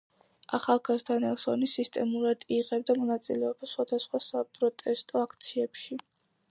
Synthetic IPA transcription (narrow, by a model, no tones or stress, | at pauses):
aχalˠɡazd̪anɛlˠsɔ̰nisist̪ʼɛmuɾad̪iʁɛbd̪amɔnat̪sʼilɛɔbasχwad̪asχwasapʼɾɔt̪ʼɛst̪ʼɔakʰt̪sʰiɛpʃi